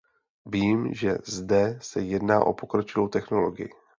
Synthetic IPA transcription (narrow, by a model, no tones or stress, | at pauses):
viːmʒɛ̰zdɛsɛjɛdna̰ːʔo̞̰po̞kɾot͡ʃɪvo̞wt̪ɛxno̞lo̞ɡɪ̰jɪ̰